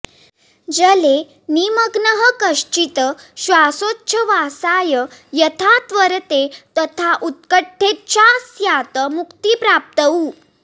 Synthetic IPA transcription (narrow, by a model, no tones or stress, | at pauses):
d͡zəle | niməɡnəɦəkəʂt͡ɕit̪əɕʋasotːɕʰəʋasajəjət̪ʰat̪ʋəɾt̪et̪ət̪ʰaʔut̪̚kəʈʰːet̪̚t͡ɕasjat̪əmukt̪ipɾap̚t̪əu